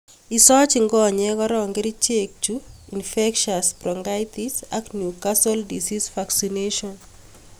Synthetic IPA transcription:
isɔt͡ʃiŋɡɔɲɛkɔɾɔŋɡeɾit͡ʃek̚t͡ʃuinfɛkʃaspɾɔŋɡajt̪isa̰knjukasɔldisisfaksineʃɔn

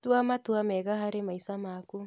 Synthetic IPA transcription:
tuamatuamɛɣaɦaɾemaisamaku

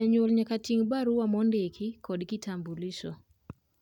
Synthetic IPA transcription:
ɛɲwolɲakatiŋbaɾuwamɔndekʰikɔdkitʰambulisɔ

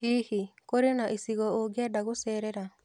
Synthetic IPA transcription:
iːhikoɾenaʔesiɣɔoɡeɛdaɣosɛːɾɛɾa

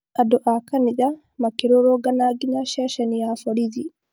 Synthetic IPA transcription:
ʔadɔʔakanid͡ʒa | makiɾɔɾɔɡanaɡinaʃɛʃɛnijafoɽid͡ʒi

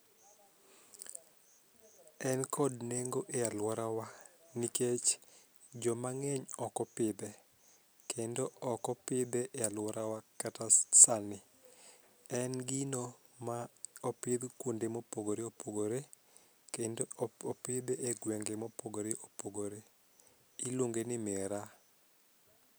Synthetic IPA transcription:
ɛnkʰɔdneŋɡoʔealwɔɾawaniket͡ʃ | d͡ʒɔmaŋeɲɔkɔpɪbe | kendoɔkɔpɪbɛʔealwɔɾawakatasanɪ | ɛnɡino | maɔpɪd̪kwondemopoɡoɾeopoɡoɾe | kendoopɪbeʔeɡweŋɡemopoɡoɾeʔopoɡoɾe | iloŋɡenɪmeɾa

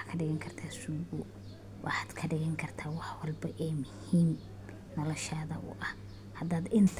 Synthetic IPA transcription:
kʰɐɖɪɣɐŋkʰɐrt̪ʰaːsuːɣʊ | wʔɑħaːd̪kʰɐɖɪɣɐŋkʰɐrt̪ʰaːwɑħwɑlbɐʔɛːmʊhiːm | nɔlɔʃaːðɐʔʊ̰ʔɐh | hɐd̪aːd̪ɪnt̪ʰ

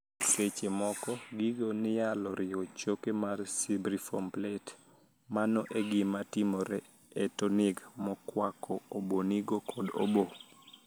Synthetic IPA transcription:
ket͡ʃemɔkɔɡiɡonɪjalɔɾɪɔt͡ʃokemarsibɾifɔmplɛt | manɔʔeɡɪmatɪmɔɾɛ | ɛtɔnɪɡmɔkwakʰɔoboniɡokʰɔdo̰bo

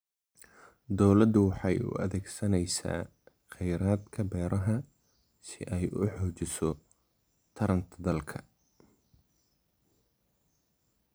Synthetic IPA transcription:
d̪ɔwlɐd̪ʊwɑħɑjʊ̰ʔɐ̰ðɛːɡsɐnɛjsa̰ː | χɛjɾaːd̪kʰɐbɛːɾɐɦɐ | sɪʔɛjʔʊ̰ħɔːt͡ʃɪsɔ | t̪ʰɐɾɐnt̪ʰɐd̪ɐlkʰɐ

